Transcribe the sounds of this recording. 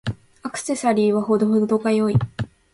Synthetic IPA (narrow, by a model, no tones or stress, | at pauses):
akɯ̟̥se̞saɾʲiːβaɦo̞d̪o̞ɦod̪od̪o̞ɡajo̞i